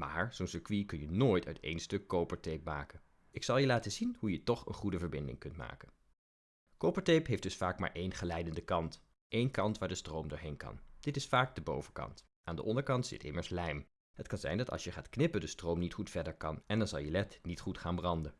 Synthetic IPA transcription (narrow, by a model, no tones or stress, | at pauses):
ma̰ːɹz̥ownsəɹkʋikɵnjənoːjtʰœ̰ɥtḛjnstɵkːowpəɹtejpma̰ːkən | ɪksɑlˠjəlaːtəzinɦujətɔχə̰nχudəvəɹbɪndɪ̰ŋkɵntma̰ːkən | kowpəɹtejpɦejfd̥ɵsfaːkmaːɹʔejnχəlɛjdəndəkɑnt | ʔejnkɑntʋaːɹdəstrowmdʊːɹɦejnkɑ̰nd̥ɪtɪsfaːk̚dəbo̰wvəkɑ̰nt | ʔaːndəʔɔndəɹkɑntsɪ̰tɪ̰məɹslɛjm | ɦətkɑnzɛ̰jndɑtɑ̰lˠsjəχaːtknɪpəndəstrowmnitχutfɛɹdəɹkɑnɛndɑnzɑlˠjəlɛtnitχutχaːnbrɑndən